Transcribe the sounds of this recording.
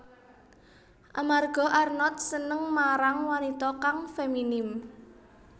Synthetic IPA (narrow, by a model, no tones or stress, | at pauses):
ʔamarɡ̥ɔ̤ʔarnɔt̪̚sənəŋmaɾaŋwanit̪ɔkaŋfeminɪm